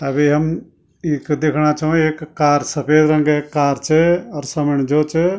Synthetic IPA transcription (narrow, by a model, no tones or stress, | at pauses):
t̪aːbʱiɦəm | ikd̪eːkʰɽ̃at͡ʃʰũeːkːaːɾsəpʰeːd̪ɾə̃ŋɡeːkːaːɾt͡ʃʰeɔɾsəməɳ̃d͡ʒoːt͡ʃʰe